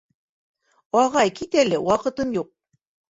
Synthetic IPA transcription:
ɑʁɑjkit̪ælɘwɑqɤ̆t̪ɤmjuq̚

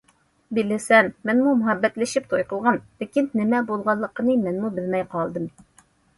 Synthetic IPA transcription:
bilɪsɛnmɪnmumʊɦɛbːɛt̪lɪʃip̚t̪ʰojqəlˠʁɑnlɪkʲinːɪmɛbolˠʁɑlˠːəqənɨmɛnmubɪlmɛjqʰɑlˠd̪ɨm

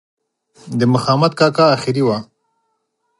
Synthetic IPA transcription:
d̪əmʊxɑːmat̪̚kɑkɑːxɪɾiwa

